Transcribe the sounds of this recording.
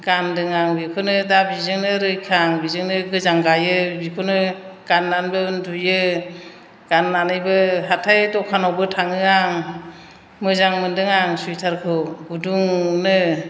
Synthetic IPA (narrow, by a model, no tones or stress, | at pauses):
ɡ̥andɯŋaŋbikʰonɯdabizɯŋnɯɾɯjkʰaŋbizɯŋnɯɡɯzaŋɡajɯbikʰonɯɡ̥anːanbɯɯndujɯ | ɡ̥anːanɯjbɯɦatʰajtɔkʰanɔwbɯtʰaŋɯaŋ | mɯzaŋmɯndɯŋaŋsujtʰaɾkʰɯwɡuduŋnɯ